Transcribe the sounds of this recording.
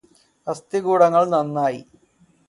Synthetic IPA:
ɐst̪iɡuːɽɐŋːɐɭnɐnːaːjḭ

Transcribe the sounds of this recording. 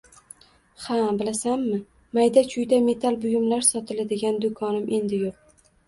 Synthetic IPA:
habɪlasamːɪ | majd̪at͡ʃʰʊjd̪ame̞t̪ʰalbʊjʊmlaɾsɒt̪ʰɪlad̪ɪɡʲand̪ʊkʰɒnɪmʔe̞nd̪ɪjoq̚

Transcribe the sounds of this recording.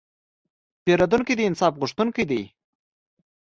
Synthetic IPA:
peɾad̪unkid̪əɪnsɑfɣʊʂt̪unkəjd̪ij

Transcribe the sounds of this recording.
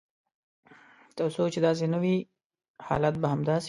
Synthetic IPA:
t̪awsot͡ʃed̪ɑs̬enəwi | hɑ̰lat̪̚baɦamd̪ɑs

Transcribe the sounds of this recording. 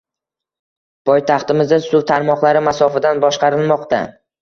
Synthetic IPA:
pʰɒjt̪ʰɑχt̪ɪmɪzd̪asʊt̪ʰaɾmɒqlˠaɾɪmasɒfad̪anbɒʃqɑɾɪlˠmɒqt̪ʰa̰

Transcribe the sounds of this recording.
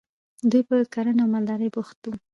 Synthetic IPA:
d̪ujpəkaɾanawmald̪ɑɾəjbuxt̪u

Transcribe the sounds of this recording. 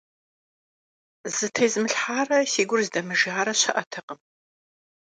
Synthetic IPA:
z̥ɨtʰɐjzmɨɬħaːrɐsiːɡʷʊrzdɐmɨʒaːɾɐɕɐʔɐtʰɐqəm

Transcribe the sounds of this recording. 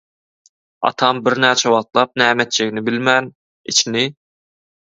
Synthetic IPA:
ɑ̰t̪ʰɑmbɪɾnæɾt͡ʃʰɛwɑχt̪lˠɑp̚nɛːmɛt̪̚t͡ʃʰɛkʲnɪbɪlmɛn | ḭt͡ʃʰinɪ

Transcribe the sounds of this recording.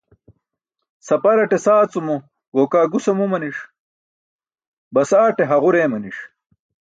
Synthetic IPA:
sɐpɐɾɐʈesaːt͡sumo | ɡokaːɡusɐmumɐniʂ | bɐsaːʈeɦɐʁuɾeːmɐniʂ

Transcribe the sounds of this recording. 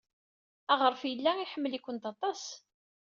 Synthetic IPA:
æʁəɾfjəlːæiħəmːəlikʷənt̪ɑt̪ˤɑs

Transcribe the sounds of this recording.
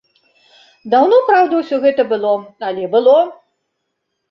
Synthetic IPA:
d̪awnɔpɾawd̪ɐwsʲɔɣɛt̪ɐbɨlˠɔalʲɛbɨlˠɔ

